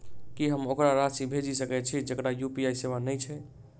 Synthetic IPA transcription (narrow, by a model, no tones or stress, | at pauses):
kiɦəmokɾaɾasibʱed͡ʒisəkɛt͡ʃʰid͡ʒəkɾajupiajseβanəjt͡ʃʰɛ